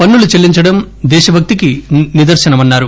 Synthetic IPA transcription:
pɐnːulut͡ʃelːiɲt͡ʃɐɽɐm | d̪ɛːʃɐbʱɐk̚t̪ikinid̪ɐɾʃɐnɐmɐnːaːɾu

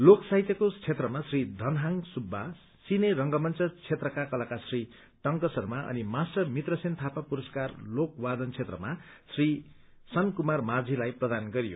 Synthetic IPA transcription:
loksaɦit̪jʌkot͡sʰet̪rʌmasrid̪ʱʌnɦaŋsubʱːa | sineɾʌŋɡʌmʌnt͡sʌt͡sʰet̪rʌkakʌlakasri | ʈʌŋkʌsʌrmaʔʌ̰nimasʈʌmit̪rʌsent̪ʰapapuɾʌskarlok̚wad̪ʌnt͡sʰet̪rʌma | sri | sʌnkumarmad͡zʱilajprʌd̪anɡʌɾijo̰

